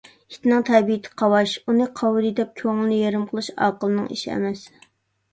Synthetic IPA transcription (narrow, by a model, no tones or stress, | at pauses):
it̪ʰɪnɪŋt̪ʰɛbijɪt̪ʰɪ̥qʰɑwɑʃunɨqʰɑwd̪ɨd̪ɛp̚kʲʰøŋlɪnɪjeɾɨmqʰəlˠɨʃɑ̰ːqəlˠɨnɨ̰ŋḭʃiɛ̰mɛs